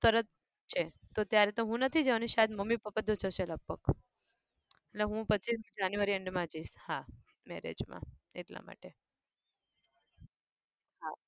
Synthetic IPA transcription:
t̪əɾət̪̚ | t͡ʃʰe | t̪ot̪jaɾet̪oɦũnət̪ʰid͡ʒəʋaniʃaɦed̪məmːipəpəd̪ʱot͡ʃʰot͡ʃʰeləb̚bək | eʈleɦũpət͡ʃʰismĩd͡ʒanjuʋaɾiəɳɖmãd͡ʒiʃha | mɛ̰ɾḛd͡ʒmã̰eʈla̰ma̰ʈe | ɦa

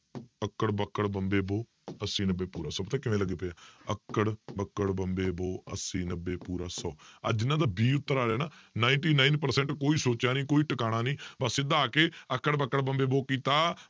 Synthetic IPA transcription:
əkːəɽbəkːəɽbəmbeːboː | əsĩːnəbeːpuːɾaːsɔːbt̪ãːkɪʋẽːləɡeːpejaːəkːəɽbəkːəɽbəmbeːboːə̰sĩːnəbeːpuːɾaːsɔːə̰d͡ʒɪnãːd̪aːbiːʊt̪ːəɾaːɾɛːnaːnaːɪnʈiːnaːɪnpəɾsɛ̃ːɳʈkoːiːsoːt͡ʃjaːnĩːkoːiːʈəkaːɽ̃aːnĩːbəsed̪aːkeːəkːəɽbəkːəɽbəmbeːboːkiːt̪aː

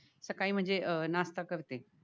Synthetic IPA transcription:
sɐkaːim̤ə̃ɦɲd͡ʑenaːst̪akɐʋɪt̪e

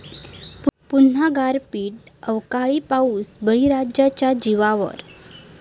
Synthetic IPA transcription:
ppun̤aɡaɾpiːʈəʋkaɭipauːsbəɭiɾad͡ʑjat͡ɕjad͡ʑiʋaʋə̰ɾ

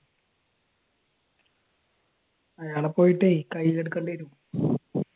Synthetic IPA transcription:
ɐjaːɭepːo̞ːjiʈːɨikɐjːileɽukːɐɳɖeiɾum

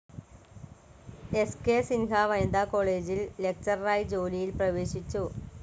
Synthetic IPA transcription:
e̞skeːsinɦaʋɐjɐnd̪aːko̞ːɭe̞ːd͡ʑille̞k̚t͡ɕɐrɐraːjid͡ʑo̞ːlijilprɐʋe̞ːɕit͡ɕːu

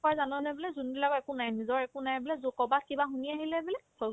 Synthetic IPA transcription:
kɔjzanɔnɛbɔlɛzunbilaɡɔɛkʊnajnizɔɹɛkʊnajbɔlɛzukɔbakibaxuniaɦilɛbɔlɛɔ

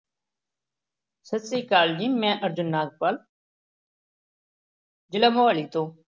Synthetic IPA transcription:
sət̪siːkaːld͡ʒiːmɛ̃ːʔəɾd͡ʒʊnːaːd̪̚paːl | d͡ʒɪlamoaːliːt̪oː

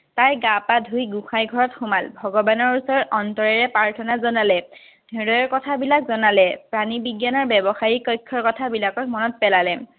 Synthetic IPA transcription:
tajɡapadʱujɡuxajɡʱɔɹɔtxʊmalbʱɔɡɔbanɔɹusɔɹɔtɔntɔɹɛɹɛpaɹtʰɔnazɔnalɛ | dʱɛdɔjɔɹkɔtʰabilakzɔnalɛpɹanibiɡjanɔɹbɛbɔxaɹikɔjkʰːɔɹkɔtʰabilakɔtmɔnɔt̚pɛlalɛ

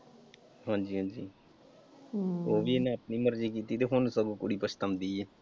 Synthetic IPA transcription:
ɦãːd͡ʒiːɦãːd͡ʒiː | oːʋiːnãːəpniːməɾd͡ʒiːkiːt̪iːt̪eːɦʊnsəɡũːkʊɽiːpət͡ʃʰt̪əmd̪iːeː

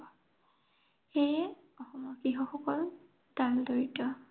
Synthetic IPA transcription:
xejɛ | ɔxɔmɔkixɔxɔkɔl | d̥aldoɹitɔ

